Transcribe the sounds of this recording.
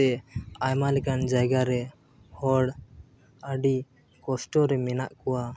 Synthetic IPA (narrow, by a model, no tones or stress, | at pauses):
ɛajmalɛkand͡ʒaɡaɾɛ | hɔɽ | əɖi | kɔsʈɔɾɛmɛnaʔkɔwa